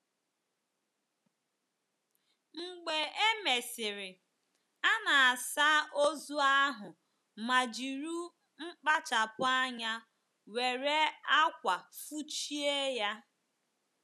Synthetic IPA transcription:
ŋ͡m̩˨ɡ͡be˨e˦me˨sɪ˨ɾɪ˨ | a˦na˨a˨sa˦o˦zu˦a˦ɦʊ˨ | ma˨d͡ʒi˨ɾu˦ | ŋ͡m̩˦k͡pa˦t͡ʃa˨pʊ˦a˦ɲa˦ | we˨ɾe˦a˦kʷa˨fu˦t͡ʃi˦e˦ja˦

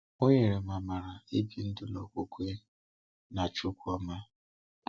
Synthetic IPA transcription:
o˦ɲe˨ɾe˨ma˨ma˨ɾa˨i˦bi˨n̩˦dʊ˦lɔ̰˨kʷo˨kʷe˦ | na˨t͡ʃʊ˦kʷa˦ma˦

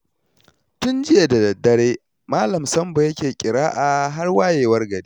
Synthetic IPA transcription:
tʊ˦nd͡ʒɪ˦je˨dɐ˨dɐ˨dːɐ˦ɾeː˦ | maː˦lɐ˨msɐ˦mbo˨jɐ˦kʲeː˨kʲʼɪ˨ɾaː˦ʔa˨ɦa˦rwaː˦jeː˨wɐ˦rɡɐ˨ɽiː˦

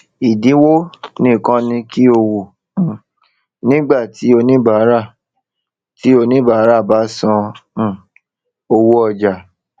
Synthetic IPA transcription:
i˨dĩ˨˦wo˦nĩ˦˨kã˦nĩ˧ki˦o˧wu˨ | nĩ˦ɡ͡ba˦˨ti˨˦o˧nĩ˦ba˨˦ɾa˦˨ | tʰi˨˦o˧nĩ˦ba˨˦ɾa˦˨ba˨˦sɔ̃˧˦˨ | o˧wo˦ɔ˧d͡ʒa˨

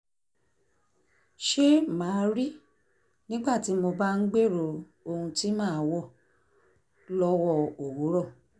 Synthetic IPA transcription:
ʃe˦mãː˨˦ɾi˦ | nĩ˦ɡ͡ba˦˨ti˨˦mo˧ba˦n̩˦ɡ͡be˦˨ɾo˧˨ | o˧hũ˧ti˦mãː˦˨˦wɔ˦˨ | lɔ˦wɔ˦˨o˨wo˨˦ɾɔ˦˨

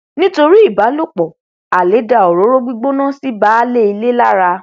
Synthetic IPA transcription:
nĩ˦to˧ɾi˦i˦˨ba˨˦lo˦˨k͡pɔ˨ | a˨le˨˦da˦˨o˨ɾo˨˦ɾo˦ɡ͡bi˦ɡ͡bo˦nã˦si˦ba˦le˦i˧le˦la˦ɾa˧

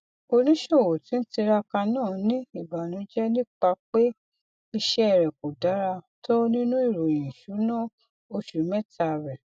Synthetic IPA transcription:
o˧nĩ˦ʃo˦˨wo˨ti˨˦n̩˦ti˧ɾa˧ka˧nãː˦˨˦nĩ˦i˦˨ba˨nĩ˨˦d͡ʒɛ˦nĩ˦k͡pa˧k͡pe˦ | i˧ʃɛ˦ɛ˦˨ɾɛ˨ko˨da˨˦ɾa˧to˦nĩ˦nũ˦i˦˨ɾo˨j̃ĩ˨ʃu˨˦nã˦˨ | o˧ʃu˨˦mɛ̃˦tʰa˧˨ɾɛ˨

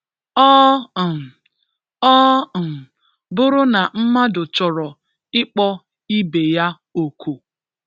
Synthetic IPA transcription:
ɔ˦˨ | ɔ˦˨ | bʊ˦ɾʊ˦na˨m̩˦ma˦dʊ˨t͡ʃɔ˨ɾɔ˨ | ɪ˦k͡pɔ˦ | i˦be˨ja˦ | o˨kʰu˨

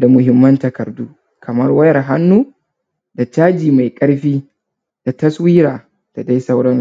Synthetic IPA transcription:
da˨mʊ˨ɦɪ˦mːɐ˦ntɐ˨kɐ˨rduː˦ | kʰɐ˨mɐ˦rwɐ˦jɐ˨rɦa˦nːuː˦ | da˨t͡ʃaː˦d͡ʒiː˨ma˨jkʼɐ˦ɽɸiː˦ | da˨tɐ˦swiː˦ɾaː˨ | d̥a˨da˦jsɐ˦wɽɐ˦n

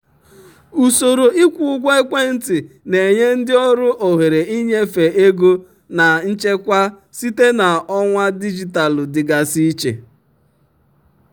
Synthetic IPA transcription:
u˨so˨ɾo˨i˦kʷu˨ʊ˦ɡʷe˦e˦kʷe˦n̩˦tɪ˨ | ne˨ɲe˦n̩˦dɪ˦ɔ˦ɾʊ˦ʔo˨ɦe˨ɾe˨i˦ɲe˦fe˨e˦ɡo˦ | na˨n̩˦t͡ʃe˦kʷa˦ | si˦te˦na˨ɔ˦ŋʷa˦di˦d͡ʒi˨ta˨lʊ˨dɪ˨ɡa˨si˦t͡ʃḛ˨

